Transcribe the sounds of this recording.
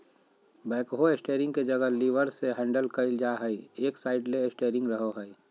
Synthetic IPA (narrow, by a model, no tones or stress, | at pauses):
bɛːkɦoesʈeːɾɪ̃ŋɡked͡ʒɐɡəliːʋəɾseɦɛ̃ːɳɖəlkɐɪld͡ʒaɦɛieːksaːɪɖleesʈeːɾɪ̃ŋɡɾəɦoɦəi